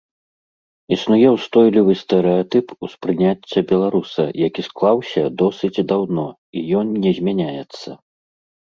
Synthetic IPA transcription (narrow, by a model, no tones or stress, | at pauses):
isnujɛwst̪ɔjlʲivɨst̪ɛɾɛat̪ɨpuspɾɨnʲat͡sʲːɐbʲɛlˠaɾusɐ̰jakʲisklˠawsʲɐd̪ɔsɨt͡sʲd̪awnɔ | ijɔnnʲɛzʲmʲanʲajɛt̪sːɐ